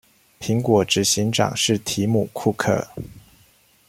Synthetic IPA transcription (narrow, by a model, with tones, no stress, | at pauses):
pʰi˧˥ŋkwɔ˨˥ʈ͡ʂɻ̩˨˩ɕi˧˥ŋʈ͡ʂɑ̰˨˩ŋʂɻ̩˥˩t̪ʰi˧˥mu˨˩kʰu˥˧kʰɤ̰˥˩